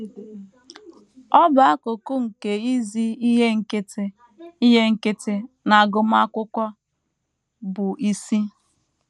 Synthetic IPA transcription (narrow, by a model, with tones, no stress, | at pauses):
ɔ˦ba˨a˦ko˨ko˦ŋ̩˨ke˨i˦zi˦i˦ɦe˦ŋ̩˦ke˦te˦ | i˦ɦe˦ŋ̩˦ke˦te˦ | na˨ɡʊ˨m˦a˦kʷʊ˦kʷa˦ | bʊ˨ʔi˦si˦